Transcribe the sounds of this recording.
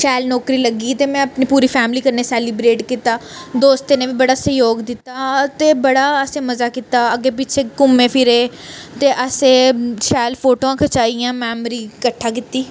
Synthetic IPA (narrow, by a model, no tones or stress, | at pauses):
ʃɛːlnɔːkɾiːləɡiːt̪eːmɛ̃ːəpniːpuːɾiːpʰɛːmliːkəɾneːsɛːlibɾeːʈkit̪aːd̪oːst̪eneːʋiːbəɽaːsəjoːɡd̪ɪt̪ːaːt̪eːbəɽaːəsẽːməzaːkɪt̪aːəɡeːpɪt͡ʃʰeːkʊmːẽːpʰɪɾeːt̪eːʔəsẽːʃɛːlpʰoːʈoːãːkʰət͡ʃaːijãːmɛːmɾiːkəʈʰːaːkɪt̪iː